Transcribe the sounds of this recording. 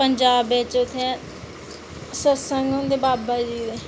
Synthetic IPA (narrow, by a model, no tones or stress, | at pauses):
pəɲd͡ʒaːbeːt͡ʃʊt̪ʰːẽ | səsəŋɡɦʊ̃nd̪eːbaːbad͡ʒiːd̪eː